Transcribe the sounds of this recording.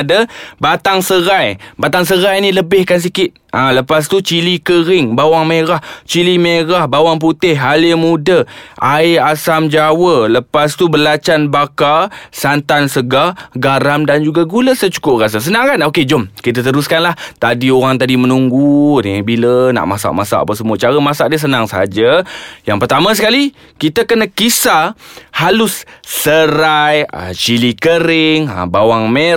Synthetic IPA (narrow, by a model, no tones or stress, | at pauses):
adəbat̪aŋsəɾajbat̪aŋs̬əɾajniləbɪhkans̬ikɪt̪̚ãləpas̬t̪ut͡ʃilikəɾɪŋbawaŋmeɾaht͡ʃilimeɾahbawaŋp̬ut̪ɪhalimudəʔaɪasamd͡ʒawələpast̪ubəlat͡ʃanbakasant̪ansəɡaɡaɾamdand͡ʒuɡaɡuləsət͡ʃu̥kʊp̚ras̬as̬ənãŋkanoked͡ʒomkit̪̬at̪əɾuskanlaht̪adioɣaŋt̪adimənuŋɡunibiləna̰ʔmasa̰ʔmasa̰ʔa̰pəs̬əmuət͡ʃaɾəmasaʔ̚diəs̬ənaŋsəɦad͡ʒəjaŋpərt̪amãsəkali | kit̪əkənakisahalʊsːəɾajə̰t͡ʃilikəɾɪŋə̰bawaŋme